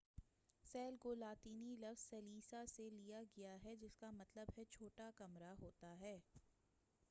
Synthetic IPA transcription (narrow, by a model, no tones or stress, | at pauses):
sɛːlkolaːt̪iːnilɐfzsɐliːsaselijaɡɐjaɦɛd͡ʒɪskamɐt̪ləbɦɛt͡ʃʰoːʈakɐmɾaɦoːt̪aɦɛː